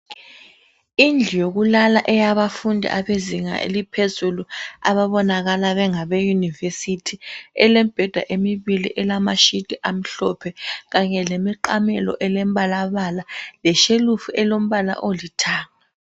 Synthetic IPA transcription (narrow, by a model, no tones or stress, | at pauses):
ind͡ɮʱijoɣulalaʔɛjaβafundʱḭʔaβeziŋa̰ʔḛlipʰezulua̰βaβɔnaɣalaβɛŋaβejunivesitʰiɛlɛm̩b̥ʱɛd̥ʱa̰ʔemiβilḭʔɛlamaʃidʼiʔam̩ɬɔpʰɛɣaɲɛlemiǃamɛ̰lɔ̰ʔɛlɛm̩βalaβalalɛʃelufuʔɛlom̩βala̰ʔolitʰaːŋa